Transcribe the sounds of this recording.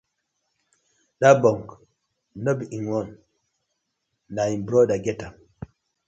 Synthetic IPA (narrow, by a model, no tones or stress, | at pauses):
ɗabɔŋk | nobiiŋwɔn | dainbɾɔdaɡɛta